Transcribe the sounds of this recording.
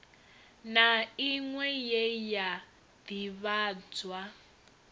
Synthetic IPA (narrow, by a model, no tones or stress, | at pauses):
naiŋwɛjɛja | diβaːd͡zwa